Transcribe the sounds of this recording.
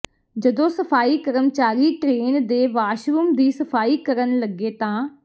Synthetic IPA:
d͡ʒəd̪õːsəpʰaːiːkəɾəmt͡ʃaːɾiːʈɾeːnd̪eːʋaːʃɾuːmd̪iːsəpʰaːiːkəɾənləɡːeːt̪ãː

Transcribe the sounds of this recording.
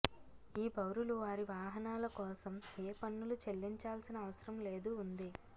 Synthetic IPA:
iːbɐwɾuluʋaːɾiʋaːɦɐnaːlɐkɔːsɐmeːpɐnːulut͡ʃe̞lːiɲt͡ʃaːlsinɐːʋɐsɐɾɐmle̞ːd̪uːnd̪i

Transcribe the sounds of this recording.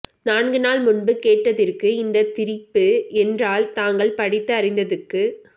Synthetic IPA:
naːɳɡɯnaːlmʊɳbɯkeːʈːɐðɪrkɯɪnd̪ɐt̪ɪɾɪpːɯɛndraːlt̪aːŋɡɐɭpɐɽɪt̪ːɯɐrɪnd̪ɐðɯkːɯ

